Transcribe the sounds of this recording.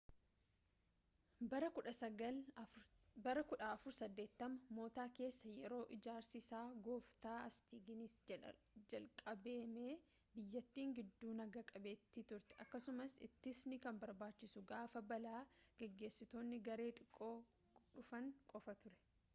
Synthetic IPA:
bɐɾɐkʊᶑɐsɐɡɐl | bɐɾɐkʊᶑaːɐfʊɾsɐd̪ːe̞ːt̪ːɐmɐmo̞ːt̪aːke̞ːsːɐjɛɾo̞ːʔɪd͡ʒaːɾsɪsaːɡo̞ːft̪aːɐst̪iːɡɪnɪs | d͡ʒɐlkʼɐbe̞ːmeː | bɪjːɐt̪ːiːŋɡɪd̪ːuːnɐɡɐkʼɐbeːt̪ːit̪ʊɾt̪ɛ̥ʔɐkːɐsʊmɐsɪ̰t̪ːɪsnɪkɐmbɐɾbaːt͡ʃːɪsʊɡaːfɐbɐlaːɡ̥ɛɡːe̞ːsɪt̪o̞ːnːɪɡɐɾe̞ːt̪ʼɪkʼːo̞ː | ᶑʊfɐŋkʼɔfɐt̪ʊɾɛ̥

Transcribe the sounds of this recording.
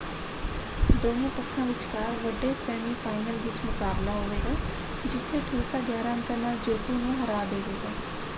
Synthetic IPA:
d̪oːɦãːp̪əkʰːãːʋɪt͡ʃkaːɾʋəɖeːsɛːmiːpʰaːɪnəlʋɪt͡ʃmʊkaːblaːɦoːʋeːɡaː | d͡ʒɪt̪ʰːeːʈʰuːsaːɡjaːɾãːnkənaːd͡ʒeːd̪ũːnũːɦəɾaːd̪eːɦeːɡaː

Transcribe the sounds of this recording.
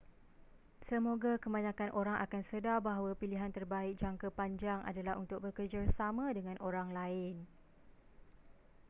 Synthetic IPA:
səmoɡakəmaɲãkanʔoɾaŋʔa̰kansədabaɦawapiliɦant̪ərbaɪk̚d͡ʒaŋkapaɲd͡ʒaŋʔa̰dalaɦunt̪ʊk̚bəkərd͡ʒarsamãdəŋãnʔoɾaŋlaɪn

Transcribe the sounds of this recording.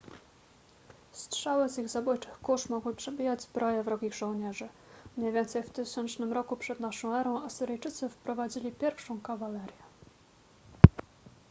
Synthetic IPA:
stʂawɘziɣzabujt͡ʂɘxkuʂmɔɡwɘpʂɛbʲijad͡ʑzbɾɔjɛvɾɔɡʲiɣʐɔ̃w̃ɲɛʐɘ | mɲɛjvʲjɛnt̪sɛjft̪ɘɕɛnt͡ʂnɘmɾɔkupʂɛd̪naʂɔ̃w̃ɛɾɔ̃w̃asɘɾɘjt͡ʂɘt̪sɘfpɾɔvad͡ʑilʲipʲjɛɾfʂɔ̃w̃kavalɛɾʲjɛ

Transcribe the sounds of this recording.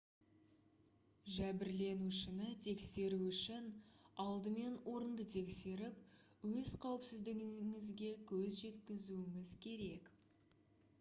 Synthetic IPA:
ʒæbɪɾle̞nuʃɪnət̪ʰe̞kse̞ɾuʏʃɪnɑlˠd̪əme̞nwo̞ɾənd̪ət̪ʰe̞kse̞ɾɪp̚ | wɵz̥qʰɑwəpsɪzd̪ɪɡʲŋɪzɡʲe̞kʲʰɵzʒe̞t̪kʲɪzuɪmɪzkʲʰe̞ɾe̞k

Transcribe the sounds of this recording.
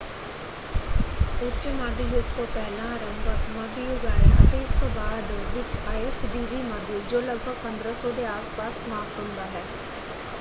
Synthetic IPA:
ʊt͡ʃmaːd̪ijʊɡt̪õːpɛːlãːɾəmbəkmɔːd̪ijʊɡaːɾeət̪eɪst̪õːbaːd̪ʋɪt͡ʃaːesd̪iːʋiːmaːd̪jʊd͡ʒoːləɡ̚bʱəɡ̚pənd̪ɾəsɔːd̪eːaːspaːsmaːft̪ɦʊ̃nd̪aːɦɛː

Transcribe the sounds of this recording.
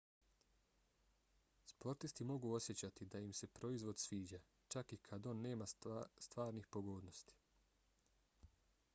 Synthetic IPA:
spo̞ɾt̪ist̪imo̞ɡuo̞sje̞t͡ɕat̪id̪aimse̞pɾo̞izʋo̞d̪sʋiːd͡ʑa | t͡ʃakikʰad̪o̞ːnːe̞ːmast̪ʋaːɾnixpo̞ɡoːd̪no̞st̪i̥

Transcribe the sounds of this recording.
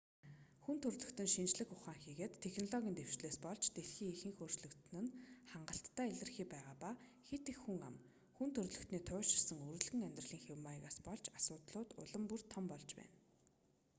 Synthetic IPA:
xunt̪ʰɵrɮɵ̆kt̪ɵ̆nʃint͡ɕɮɘ̆xʊχaːŋxiːɣeːt̪ʰːexnɔɮɔɣʲiːnt̪ew̥t͡ɕɮeːspɔɮt͡ɕt̪eɮxiːŋixɘːŋxoːr̥t͡ɕɮɵ̆kt̪̆nɘ̆nχaɴɢə̆ɬt̪ːæːiɮɘ̆rxiːpæːʁaːpaxet̪exːuŋa̰m | xunt̪ʰɵrɮɵ̆kt̪niːt̪ʰʊːʃɪ̆rsə̆ŋɵr̆ɮɣɘ̆ŋæmʲt̪rə̆ɮiːŋxewmaɣaːspɔɮt͡ɕasʊːt̪ɮʊːt̪ʊ̰ɮə̆mpur̥t̪ʰːɔmpɔɮt͡ɕpæ̰ːn

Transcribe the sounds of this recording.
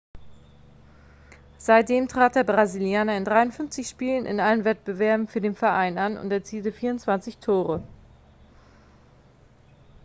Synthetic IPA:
z̥aɪt̚d̥eːmtʁ̥aːt̚d̥eːɐbʁaziljaːnɐɪndʁaɪʊntfʏnft͡sɪçʃpiːlənʔɪ̰nʔalənvɛt̚b̥əvɛɐbm̩fyːɐdeːnfɛɐʔaɪnanʊ̰ntɛɐt͡siːltəfiːɐʊntt͡sv̥ant͡sɪçtʰoːʁə

